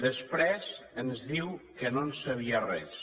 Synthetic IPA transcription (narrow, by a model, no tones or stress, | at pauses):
ðəspɾɛzənzðiwkənonsəβ̞iərɛ̰s